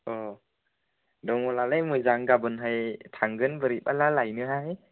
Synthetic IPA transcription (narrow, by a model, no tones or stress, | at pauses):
ɔ | dɔŋɔlalɯjmɯjzaŋɡabɯnɦajtʰaŋɡɯnbɯɾipalalajnɯɦaj